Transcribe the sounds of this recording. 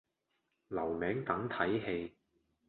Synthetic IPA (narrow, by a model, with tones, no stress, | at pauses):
lɐ˨˩wmɛː˨˥ŋt̪ɐ˨˥ŋt̪ʰɐ˨˥jɦe˧j